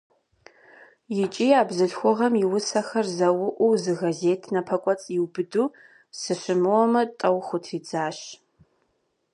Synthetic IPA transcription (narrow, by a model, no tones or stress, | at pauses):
jɪt͡ʃʼiːaːbzɨɬxʷɔʁɐmiwʊsɐxɐrzɐwʊʔʷʊzɨɣɐzeːtʰnɐpʰɐkʷʼɔt͡sʼjɪwbɨduː | sɨɕɨmɨwɔmɐtʼɐwχʷʊtʰiːd͡zʼaːɕ